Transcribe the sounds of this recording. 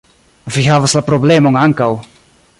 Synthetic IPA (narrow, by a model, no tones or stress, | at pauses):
viɦaːvaslapɾɔblɛmɔŋaŋkaw